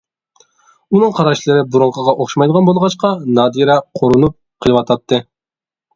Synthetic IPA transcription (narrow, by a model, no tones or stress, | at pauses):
unɨŋqʰɑɾɑʃlˠɨɾɪbuɾoŋqʰəʁɑʔoχʃmɑjd̪əʁɑnbolˠʁɑt͡ʃqɑnɑːd̪iɾɛqʰoɾunup̚qʰəlˠɨwɑt̪ʰɑt̪ʰːɨ